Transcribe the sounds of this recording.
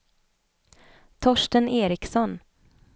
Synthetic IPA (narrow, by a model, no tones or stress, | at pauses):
t̪ʰɔʂʈənʔeːɾɪksɔn